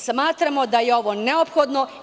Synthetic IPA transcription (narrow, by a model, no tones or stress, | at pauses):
smaːt̪ɾamod̪ajeo̞ʋo̞neopxod̪no̞